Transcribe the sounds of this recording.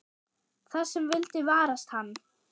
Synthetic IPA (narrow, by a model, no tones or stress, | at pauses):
θasːɛmvɪlt̪ɪvaːɾast̪hanː